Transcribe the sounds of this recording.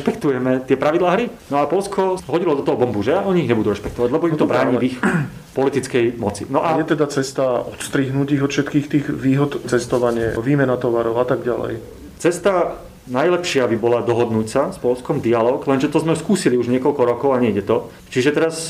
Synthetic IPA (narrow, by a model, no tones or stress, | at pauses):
ɾɛʃpɛkt̪ujɛmɛt̪ɪɛpɾaʋid̪laːɦɾinɔapɔlskʰɔɦɔɟilɔd̪ɔt̪ɔɦɔbɔmbuʒɛjaʔɔɲiiɣɲɛbud̪uɾɛʃpɛk̚t̪ɔʋaɟlɛbɔimt̪ɔbɾaːɲivix | pɔlit̪it͡skɛjmɔt͡sḭnɔʔajɛt̪ɛd̪at͡sɛst̪aɔt̪st̪ɾiːɦnuciɣɔt̪fʃɛt̪kiːxt̪iːɣʋiːɦɔt̪t͡sɛst̪ɔʋaɲɪɛ̰ʋiːmɛnat̪ɔʋaɾɔʊat̪aɡɟalɛ̰j | t͡sɛst̪a | najlɛpʃɪabibɔlad̪ɔɦɔd̪nucsaspɔlskɔmd̪ialɔːɡlɛnʒɛt̪ɔzmɛskuːsiliuʒɲɪɛkɔlkɔɾɔkɔʊaɲɛɟɛt̪ɔ | t͡ʃiʒɛt̪ɛɾas